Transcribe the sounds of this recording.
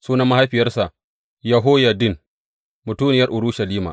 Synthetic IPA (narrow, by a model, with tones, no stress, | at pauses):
suː˦nɐ˦ma˦ha˦jɸɪ˨jɐ˦rsa˨ʔ | jɐ˨ɦoː˦ja˨dɪ˦n | mʊ˨tuː˦nɪ˨jɐ˦rʔʊ˨ɾu˦ʃɐ˨liː˦ma̰ː˨ʔ